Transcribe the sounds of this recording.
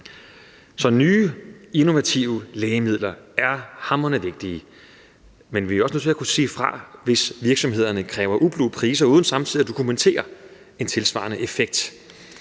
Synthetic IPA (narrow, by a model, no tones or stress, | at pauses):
sɒ̽nyːeno̝ʋæt͡sʰiʊəlɛːɪəmið̰ˠlɐæɐhɑ̈mɐnəʋe̝ɡ̥̚d̥iː | menʋiæɒ̽snø̰t͡sʰe̝ækusḭːfʁɑ̈ʋe̝sʋiɐɡ̥sɒ̽mhe̝ð̞̰ˠɐnəkʰʁɛːʊɐʔub̥lupʰʁiːs̬ɐuːðˠn̩sɑ̈mt͡sʰið̰ˠiæd̥o̝kʰument͡sʰe̝̰ːɐ | e̝nt͡sʰe̝lsʋɑ̰̈nəʔefeɡ̥̚d̥